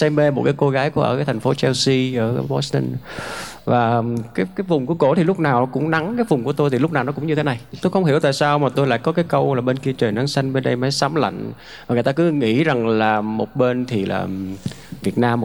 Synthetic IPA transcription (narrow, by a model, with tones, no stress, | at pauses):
sɛ˧me˧mo˨˩t̚kaː˨˦jko˧ɣaː˨˦jku˧˩əʔəː˧˩kaː˨˦jt̪ʰa˨˩ŋ̟fo˨˦t͡ɕɛ˧wsi˧ʔəː˧˩wɔ̰˨˦si˧ə˧n | vaː˨˩kaː˨˦jkaː˨˦jvʊ˨˩ŋ͡mku˧˩əko̰˧˩t̪ʰi˨˩lʊ˦˥k͡p̚naː˨˩wkʊ̰˧˥ŋ͡mna˨˦ŋkaː˨˦jvʊ˨˩ŋ͡mku˧˩ət̪o˧jt̪i˨˩lʊ˦˥k͡p̚naː˨˩wnɔ˨˦kʊ̰˧˥ŋ͡mɲɨ˧t̪ʰe˨˦na˨˩jt̪o˧jxə˧wŋ͡mhi˧˩əwt̪a̰ː˧˨jsaː˧wmaː˨˩t̪o˧jla̰ː˧˨jkɔ˨˦kaː˨˦jkə˧wlaː˨˩ɓe˧nki˧t͡ɕəː˨˩na˨˦ŋsa˧jŋ̟ɓe˧nɗə˧jma˨˦jsaː˨˦mla̰˧˨jŋ̟ | vaː˨˩ŋ˨˩t̪aː˧kɨ˨˦ŋḭ˧˥za˨˩ŋlaː˨˩mo˨˩t̚ɓe˧nt̪ʰi˨˩la̰ː˨˩ | vi˨˩ət̚naː˧m˨˩